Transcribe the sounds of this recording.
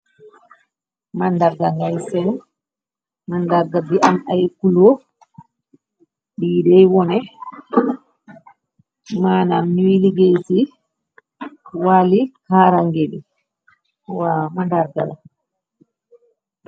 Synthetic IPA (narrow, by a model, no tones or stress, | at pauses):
mandaɾɡaŋɡajsɛn | mandaɾɡabiʔanajkulɔ | ɗidɛjwɔnɛ | maːnamːiwiliɡejti | walikaːɾaŋɡedi | wamandaɾɡa̰la